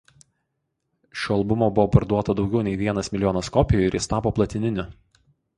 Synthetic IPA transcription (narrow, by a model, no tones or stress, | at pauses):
ʃʲoɐlˠbʊmoːbʊʋoːpɐɾd̪uɔt̪ɐd̪ɒʊɡʲɛʊnʲɛɪʋʲiɛnɐsmʲɪlʲɪjɔːnɐskɔpʲɪjʊɪɾɪst̪ɑːpoːplˠɐt̪ʲɪnʲɪnʲʊ